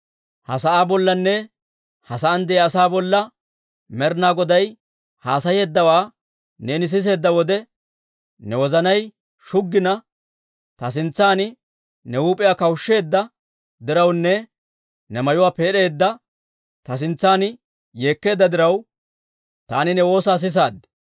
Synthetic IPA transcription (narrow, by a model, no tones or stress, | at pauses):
hɐsɐʔaːbɔlːɐnːɛ | hɐsɐːnd̪ɛjɐsaːbɔlːɐ | mɛɾnaːɡɔd̪ɐj | haːsɐje̞ːd̪ːɐwaː | ne̞ːnɪs̬ɪs̬e̞ːd̪ːɐwɔd̪ɛ | nɛwɔzɐnɐj | ʃʊɡːɪnɐ | t̪ɐs̬ɪnt͡sːaːnɪ | nɛuːpʼɪjaːkɐwʊʃːe̞ːd̪ːɐ | d̪ɪɾɐwnːɛ | nɛmɐjʊwaːpe̞ːɗe̞ːd̪ːɐ | t̪ɐs̬ɪnt͡sːaːn | jeːkːe̞ːd̪ːɐd̪ɪɾɐw | t̪a̰ːnɪnɛwo̞ːsaːs̬ɪs̬aːd̪ːɛ̥